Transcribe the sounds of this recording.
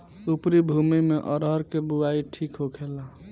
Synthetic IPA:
upɾibʱumimeʔɔɾɦəɾkebuaiʈʰikɦokʰela

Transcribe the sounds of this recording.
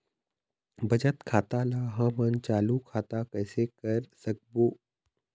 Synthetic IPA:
bɐd͡ʒət̪kʰaːt̪alaːɦãːmɐnt͡ʃaːlukʰaːt̪akɛːsekɐɾsɐk̚boː

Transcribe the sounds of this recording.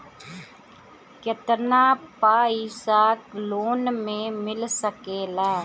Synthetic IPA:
kjɐt̪ənaːpaːisaːkloːnmẽmɪlsəkeːlaː

